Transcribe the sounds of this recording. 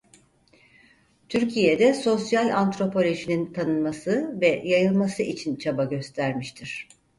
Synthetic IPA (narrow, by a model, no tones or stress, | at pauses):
t̪ʰyɾcʰijɛd̪ɛso̞sjalʲant̪ɾo̞pʰo̞lʲo̞ʒinint̪ʰanɯnmasɯvɛjajɯlˠmasɯʔit͡ʃʰint͡ʃʰabaɟø̞st̪ʰæɾmiʃt̪ʰiɾ̝̥